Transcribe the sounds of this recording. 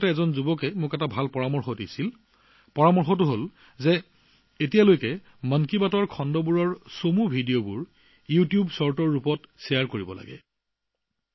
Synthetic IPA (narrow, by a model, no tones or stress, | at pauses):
tɛɛzɔnzubɔkɛmʊkɛtabʱalpɔɹamɔɹxɔtisil | pɔɹamɔɹxɔtuɦol | zɛ | etijalojkɛ | mənkibatɔɹkʰɔndɔbuɹɔɹsomubʱidijobuɹ | jutijubsɔɹtɔɹːupɔtsɛjaɹkoɹibɔ̰la̰ɡɛ̰